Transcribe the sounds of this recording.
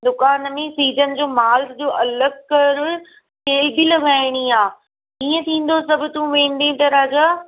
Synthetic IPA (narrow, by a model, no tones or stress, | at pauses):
d̪ʊkaːnmẽsiːzənɪ̆d͡ʑoːmaːld͡ʑoːʔɐləɡkːɐɾʊ | kʰeːlbilɐʋaːɪɽ̃iaː | iːə̃t̪ʰĩːn̆d̪osɐbʱʊ̆t̪ũʋẽːn̆d̪ẽt̪ɐɾaːd͡ʑaː